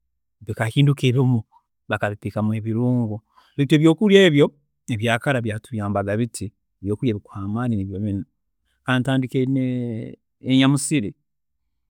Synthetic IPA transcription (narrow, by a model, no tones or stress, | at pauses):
βikakiːndukeβimu | βakaβipikamue̞βiɾuːŋɡu | βite̞ːβjo̞ːkulje̞ːβjo̞ | eβjaːkaɾaβjaːtuβjaːmbaɡaβitʰi | eβjo̞ːkuɾjeβikuaːmaːnineβjoβin | kaːntaːndikene | eɲamusiɾi